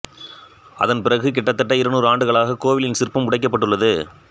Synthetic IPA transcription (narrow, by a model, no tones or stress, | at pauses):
ʔɐ̰ðɐnpɪrɐɣɯk̬ɪʈːɐt̪ːɐʈːɐɪɾɐnuːɾaːɳɖɯɣɐɭaːɣɐkoːʋɪlɪnsɪrpːɐmʊɽɐɪkːɐpːɐʈːɯɭːɐðɯ